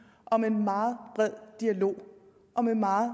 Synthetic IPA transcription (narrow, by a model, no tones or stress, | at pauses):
ʔɒ̽me̝nmɑ̈ːb̥ʁɛð̰ˠd̥iælo̝̰ː | ʔɒ̽memɑ̈ː